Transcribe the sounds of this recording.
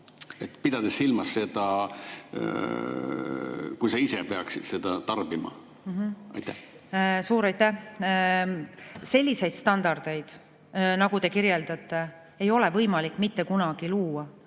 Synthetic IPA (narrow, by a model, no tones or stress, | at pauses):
et̪ːpid̪̥ɑd̪esːilmɑsːe̞d̪̥ɑ | kujsɑisepeɑksid̥̪se̞d̪̥ɑt̪ɑrbimɑ̰ | mɦɑ̰jt̪ːæh | suːɾɑjt̪ːæh | se̞lʲːise̞jd̪̥st̪ɑnd̪̥ɑrd̪̥e̞jd̪̥ | nɑɡut̪e̞kiɾje̞ld̪̥ɑt̪ːˑe̞ | ejo̞lɛ̞vɤjmɑlikːˑmit̪ːe̞kunɑɡ̥iluːwɑ